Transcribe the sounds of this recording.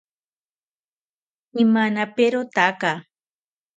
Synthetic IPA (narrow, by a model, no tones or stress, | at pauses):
imanapeɾot̪aka